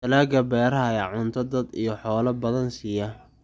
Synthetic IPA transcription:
t̪ɐlaːɡɐbɛːɾɐɦɐjaːʕʊnt̪ʰɐd̪ɐd̪ijɞħɔːlɐbɐðɐnsiːjɐ

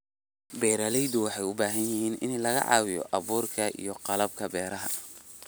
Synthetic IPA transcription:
bɛːɾɐlɛjd̪ʊwɑħɑjʊbaːɦɐnjɪhiːnʔɪ̰nlɐɣɐ̰ʕɑ̰ːwɪjɔ̰ʔɑβuːrkʰɐʔḭjɔqɑlɐb̚kʰɐbɛːɾɐɦɐ

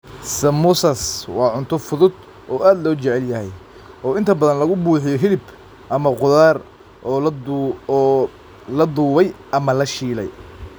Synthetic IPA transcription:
sɐmʊsɐswɑːʕʊnt̪ʰɔfʊðʊd̪ | ʔɔːʔaːd̪lɔːt͡ʃɛʕɛljɐɦɛj | ʔɔːɪnt̪ʰɐbɐðɐnlɐɣʊbuːħɪjɔɦɪlɪb | ʔɐmɐqʊðaːr | lɐd̪uːβɛjʔɐmɐlɐʃiːlɛ̰j

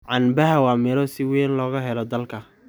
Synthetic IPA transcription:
ʕɑnbɐɦɐwɑːmɪɾɔsɪwɛːnlɔːɣɐɦɛlɔd̪ɐlkʰɐ

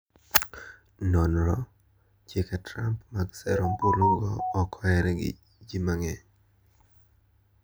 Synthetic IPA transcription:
nɔnɾɔ | t͡ʃjekɛtɾampmaɡsɛɾomboloŋɡɔːkɔɛɾɛɡɪ̰ | d͡ʒimaŋɛ

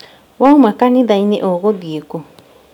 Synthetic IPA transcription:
waũmãkanĩd̪ainẽʔoɣod̪iko

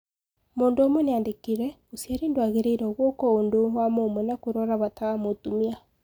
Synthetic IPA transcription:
moːndoomwɛneandekiɾɛ | osiaɾeːndwaɣeɾeiɾɛoɣwɔkɔondowamomɛnakoɾɔɾaβatamotumia

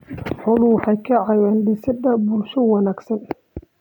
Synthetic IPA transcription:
ħʊlʊwħɑjkʰɐʕɑjɛːnlɪsɪd̪ɐbʊlʃɔwɑnaːɡsɐn

